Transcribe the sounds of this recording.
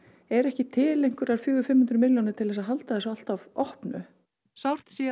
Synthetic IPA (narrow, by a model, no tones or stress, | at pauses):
ɛɾɛhcɪt̪ʰɪːlejŋ̥kʏɾaɾ̥fjʏːɣʏfɪmhʏnt̪ɾʏmɪljɔnʏt̪ʰɪlðɛs̬aðɦalt̪aðɛsal̥t̪avɔhpnʏ̰ | sawr̥t̪sɛ